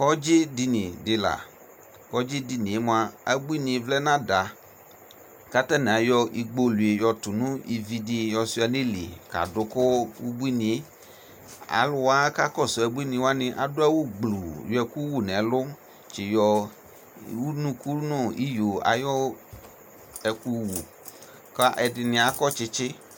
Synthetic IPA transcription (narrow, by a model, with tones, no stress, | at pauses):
kɔ˦d͡ʒɪ˦di˧nĩ˨dɪ˨la̰˨ | kɔ˦d͡ʒɪ˦di˧nĩ˨e˦mʊ˨˦a˨a˨bu˦i˦nĩ˨˦vlɛ˦nã˦da˨ | ka˦ta˦nɛ̃˨a˨jɔ˧ʔi˨ɡ͡bo˧lu˨e˨jɔ˧tʊ˨nʊ̃˦i˨vi˧dɪ˧jɔ˧sʊ˦a˨nɪ̃˦lḭ˨ka̰˨dʊ˨kʊ˦wu˦bi˦nĩ˨e˦ | a̰˨lʊ˦wa˦ka˦kɔ˦˨sʊ˨ɛ˨bu˦i˦nɪ̃˧˨˦wa˦nɪ˦ʔa̰˨dʊ˦a˦wo˦ɡ͡blu˨jɛ˨ku˦wu˦˨nɛ˨˦lʊ˦ | t͡ʃɪ˨jɔ˧ | wu˦nũ˦ku˦nʊ̃˦˨i˦jo˨a̰˨jɔ˦ | ɛ˨ku˦wu˨ | ka˦ʔɛ˧dɪ˧nɪ̃˨a˨kɔ˦t͡ʃɪ˦t͡ʃɪ˦